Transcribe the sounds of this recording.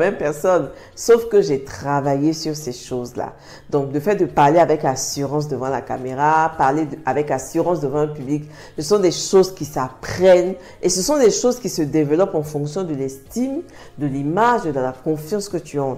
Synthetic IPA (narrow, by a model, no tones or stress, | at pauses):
mɛmpɛʁsɔn | sofkəʒet̪χavajesyʁseʃozla̰ | d̪ɔ̃kləfɛt̪̚d̪əpaʁleavɛkasyʁɑ̃s̬d̪əvɑ̃la̰kameʁapaʁleavɛkasyʁɑ̃sd̪əvɑ̃ə̃pyblik | səsɔ̃d̪eʃozkʲisapχɛn | esəsɔ̃d̪eʃozkʲisəd̪evəlɔpɑ̃fɔ̃ksjɔ̃d̪əlɛ̃st̪im | d̪əlimaʒed̪əlakɔ̃fjɑ̃skət̪yɑ̃